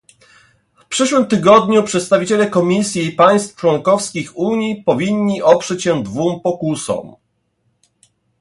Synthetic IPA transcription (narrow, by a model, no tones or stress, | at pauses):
fpʂɛʂwɘmt̪ɘɡɔd̪ɲupʂɛt̪st̪avʲit͡ɕɛlɛkɔmʲisʲjiipaj̃st̪ft͡ʂwɔŋkɔfskʲixuɲipɔvʲiɲːiʔɔpʂɛt͡ɕɕɛd̪vumpɔkusɔ̰m